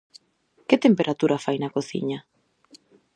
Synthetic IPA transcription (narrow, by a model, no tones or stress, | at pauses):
kɪt̪empeɾʔat̪uɾʔafajnɐkoθḭɲa